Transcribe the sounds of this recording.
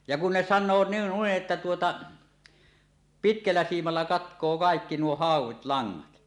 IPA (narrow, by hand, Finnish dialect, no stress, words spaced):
jɑ kun ne sɑnˑoː n nuiʔ ʔetːæ tuotɑ pitkælːæ siːmɑlːɑ kɑtkˑoː kɑekːi nuo hɑˑuwˑit lɑŋːɑt